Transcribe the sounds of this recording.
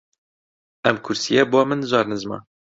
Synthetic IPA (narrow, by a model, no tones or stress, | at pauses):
ɛmkʰʊɾsijɛboːmɨnzɑːɾnɨzmɑ̰